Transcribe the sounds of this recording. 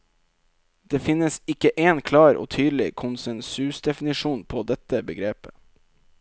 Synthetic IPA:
d̪eːfɪnəsɪkəʔeːnkʰlɑːɾo̰ːt̪ʰyːd̪l̩ɪ̰kʰʊnsɛnsʉsd̪ɛfnɪʂuːnpʰoːd̪ɛt̪əbəɡɾeːpə

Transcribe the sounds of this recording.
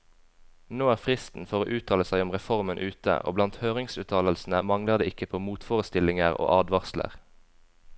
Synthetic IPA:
noːæːʁfʁɪst̪n̩fɔʁoːʔʉːt̪ʰɑːləsæɪɔmʁɛfɔʁmənʔʉːt̪ə̰ʔo̰ːblɑnt̪høːʁɪŋsʉːt̪ʰɑːləlsn̩əmɑŋləʁd̪eːɪkəpʰoːmuːt̪foːʁəst̪ɪlɪŋəʁo̰ːʔɑːd̪ʋɑʁslə̰ʁ

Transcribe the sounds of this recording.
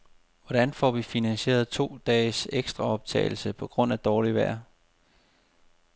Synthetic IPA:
ʋɒd̥ænfɒ̰ːʋifinænɕe̝̰ːɐð̞̩ˠt͡sʰo̝̰ːd̥ɛːseɡ̥sd̥ʁɑ̈ɒ̽b̥̚t͡sʰɛ̰ːɪl̩səpʰɒ̽ɡ̥ʁɔ̽n̰æd̥ɒːliʋæɐ̰

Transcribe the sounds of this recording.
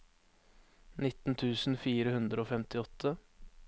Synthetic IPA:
nɪt̪n̩t̪ʰʉːsn̩fiːɾəhʉnd̪ɾəoːfɛmt̪ʰɪɔt̪ʰːə

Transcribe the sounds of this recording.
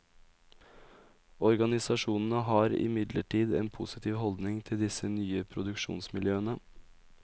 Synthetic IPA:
ɔɾɡɑnɪsɑʂuːnn̩əɦɑːɾɪ̰mɪd̪lə̰ʈʰiːd̪eːnpʰʊsɪt̪ʰiːʋhɔld̪nɪŋt̪ʰɪld̪ɪsənyːəpʰɾʊd̪ʉkʃṵːnsmɪljøːənə

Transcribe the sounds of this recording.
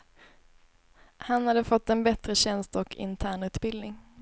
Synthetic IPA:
hanhad̪ːəfɔt̪ːɛnbɛt̪ɾəɕɛnst̪ɔkʰɪ̰nt̪ʰæːɳʉ̟ːt̪bɪld̪nɪŋ

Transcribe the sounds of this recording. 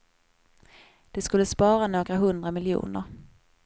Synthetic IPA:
d̪̥ɛskɵlːəspɑːɾanoːɡɾaɦɵnd̪ɾamɪljṵːnə̰ɾ

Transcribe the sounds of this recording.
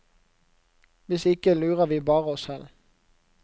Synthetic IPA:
ʋɪsɪkəlʉːʁəʋiːbɑːʁəɔshɛl

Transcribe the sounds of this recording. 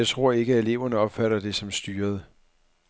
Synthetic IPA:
ɑɪt͡sʰʁo̝ɐ̰e̝ɡ̥əe̝le̝ʊɐnəɒ̽b̥fæɾɐd̥e̝sɒ̽msd̥yːɐð̞ˠə

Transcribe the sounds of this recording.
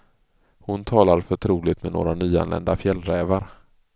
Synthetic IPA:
hʊnt̪ʰɑːlaɾfœʈʰɾuːlɪɡt̪mɛno̰ːɾanyːa̰nlɛ̰nd̪afjɛlɾɛːvaɾ

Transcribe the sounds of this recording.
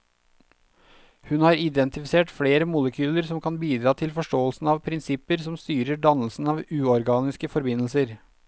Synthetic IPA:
hʉnhɑːɾɪd̪ɛnt̪ɪfɪseːʈfleːɾəmʊləkʰyːləɾsɔmkʰɑnbiːd̪ɾɑːt̪ʰɪlfɔʂʈoːəlsn̩ɑːʋpʰɾɪnsɪpəɾsɔmst̪yːɾəɖɑnəl̩sn̩ɑːʋʉːɔɾɡɑːnɪskəfɔɾbɪnl̩səɾ

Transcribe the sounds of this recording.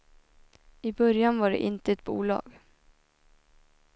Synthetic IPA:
ɪbœɾjanvaɖɛ̰ʔɪnt̪əɛt̪̚bṵːlɑ̰ːɡ

